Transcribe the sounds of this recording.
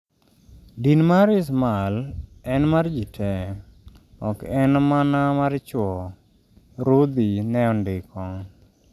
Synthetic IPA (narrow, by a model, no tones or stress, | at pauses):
dinmaɾɪs̬malɛnmard͡ʒitʰɛ | ɔkɛnmanamaɾt͡ʃwɔ | ɾud̪inɛɔndɪkɔŋ